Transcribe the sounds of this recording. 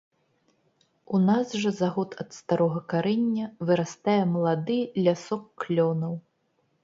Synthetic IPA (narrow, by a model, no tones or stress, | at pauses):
unazʐɐzaɣɔt̪ʰɐt̪st̪aɾɔɣɐkaɾɛnʲːɐvɨɾast̪ajɛmɐlˠad̪ɨlʲasɔkːlʲɔnɐw